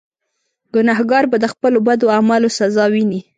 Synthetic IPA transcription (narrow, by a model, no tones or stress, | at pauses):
ɡ̥ʊnɑhɡɑɾbad̪əxpəlobad̪oamalosazɑwini